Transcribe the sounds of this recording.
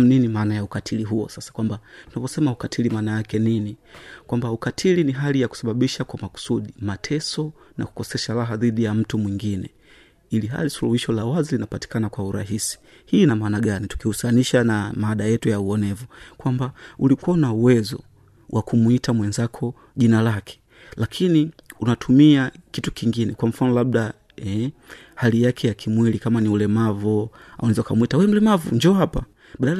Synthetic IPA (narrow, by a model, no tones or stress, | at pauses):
m̩ninimaːnajaukatʰiliɦuɔ̰sasḁkwambatunavɔsɛmaukatʰilimaːnajakɛninikwambaukatʰiliniɦalijaku̥saɓaɓiʃakwamaku̥suɗimatʰɛsɔ | na̰ku̥kɔsɛʃaɾaɦaðiɗijam̩tumwiŋɡinɛ̰ | iliɦa̰lisuluhiʃɔlawazilinapati̥kanakwauɾa̰ɦisi̥ | hiːnamaːnaɠanitu̥kihusaniʃanamaaɗajɛtujauɔnɛvukwambaulikuanauwɛzɔ̰ | wʔakumuitamwɛnzakʰɔ | ʄinalakʰɛ̥ | lakʰiniunatʰumiakitu̥kiŋɡinɛkwam̩fanɔlaɓ̚ɗa | ɛ | halijakʰɛjakʰimwilikamaniulɛmavɔa̰unɛzakamuitawɛm̩lɛmavṵɲd͡ʒɔhapa | ɓaɗal